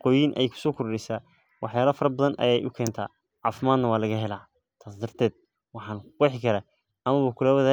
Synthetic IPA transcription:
qɔːjinʔɛ̰jkʰʊ̥sɔːkʰʊɾɖɛsaː | wʔɑħjaːlɐfɐɾɐbɐðɐnʔɐ̰jɛjʔʊkʰɛːnt̪ʰa̰ː | ʕɑːfɪmaːd̪nɐwɑːlɐɣɐɦɛlaː | t̪ʰaːsd̪ɐrt̪ʰɛːd̪̥̚ | wɑħɑːnɪħɪkʰɐɾɐ | ʔɐmɐβʊkʰʊlɐwɐðaː

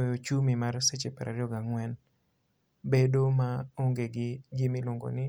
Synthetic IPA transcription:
jot͡ʃumimarset͡ʃepɛɾʔa̰ɾjɔɡaŋwɛn | bedomaoŋɡeɡɪd͡ʒimiloŋɡo̰nɪ

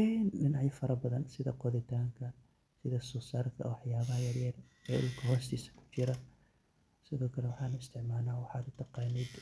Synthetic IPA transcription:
inɖɪnaʕjɪfɐɾɐbɐðɐnsɪðɐ̰qɔðɪt̪ʰaːŋkʰɐ | sɪðɐsɔːsaːrkʰɐ̰wɑħjaːβɐɦɐjɐrjɐr | ɛːlkʰɐɦɔːst̪ʰiːsɐ̥kʰʊ̥t͡ʃɪɾɐ | sɪðɔːkʰɐlɛwɑħɑːnʊɪst̪ʰɪʕmaːlaːwɑħɑːd̪ʊt̪ʰɑqɑːnɛd̪

